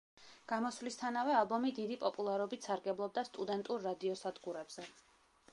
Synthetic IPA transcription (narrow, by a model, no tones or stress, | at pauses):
ɡ̥amɔslist̪ʰanavɛalˠbɔmid̪id̪ipʼɔpʼulˠaɾɔbit̪ʰsaɾɡɛblˠɔb̚d̪ast̪ʼud̪ɛnt̪ʼuɾːad̪iɔsad̪ɡuɾɛbz̥ɛ